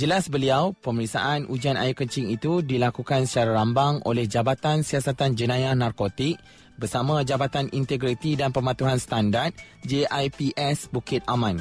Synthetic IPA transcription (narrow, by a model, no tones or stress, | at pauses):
d͡ʒəlasbəliawpəməɾik̚sa̰ʔanʔud͡ʒana̰ɪkəɲt͡ʃiŋit̪udilakukansə̥t͡ʃaɾaɾambaŋo̰lɛhd͡ʒabat̪ansiasat̪and͡ʒənãjahnarkot̪ik̚ | bərsamãd͡ʒabat̪anint̪ɛɡɾit̪idanpəmãt̪uɦanst̪andart̪̚ | d͡ʒeʔajpiʔɛsbukɪt̪̚amãn